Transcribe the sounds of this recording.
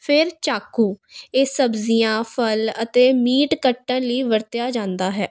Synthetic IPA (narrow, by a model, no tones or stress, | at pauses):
pʰɪɾt͡ʃaːkuːeːsəbzijãːpʰələt̪eːmiːʈkəʈːə̃nləiːʋəɾt̪jaːd͡ʒãːnd̪aːɦɛː